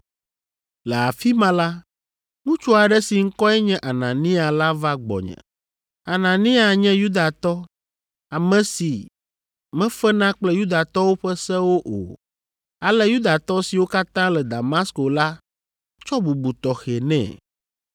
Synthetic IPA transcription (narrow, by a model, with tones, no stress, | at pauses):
lɛ˨a˨fi˦mã˦la˦ | ŋũ˦t͡ʃu˦a˨ɖɛ˦si˨ŋ̩˦kɔ˦ɛ˦ɲɛ̃˦ʔa˨nã˨nĩ˦a˨la˦va˦ɡ͡bɔ̰˨ɲɛ̰̃˨ | a˨nã˨nĩ˦a˨ɲɛ̃˦ju˦d̪a˨t̪ɔ˦ | a˨mɛ̃˨si˨ | mɛ̃˦fɛ˦nã˦k͡plɛ˦ju˦d̪a˨t̪ɔ˦wo˦ɸɛ˦sɛ˦wo˦ʔo̰˨ | a˨lɛ˦ju˦d̪a˨t̪ɔ˦si˨wo˦ka˦t̪ã˦lɛ˨d̪a˨ma˦sko˨la˦ | t͡ʃɔ˦bu˨bu˨t̪ɔ˨xɛ˨nɛ̰̃˨